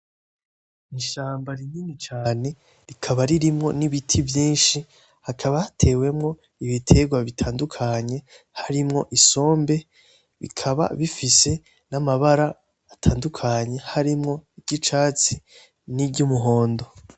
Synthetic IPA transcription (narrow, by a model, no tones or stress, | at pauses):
niʃaːmbaɾininit͡ʃaːne̞ | ɾikʰaβaɾiɾimŋo̞̰niβitʰivjiːnʃi | hakʰaβahatʰe̞we̞mŋo̞ | iβitʰe̞ɡwaβitʰaːndukʰaɲe̞ | haɾimŋo̞ʔiso̞ːmbe̞ | βḭkʰaβa̰βifise̞ | namaβaɾaː | tʰaːndukʰaɲe̞haɾimŋo̞iɾɟit͡ʃaːt͡si | niɾɟumuɦo̞ːndo̞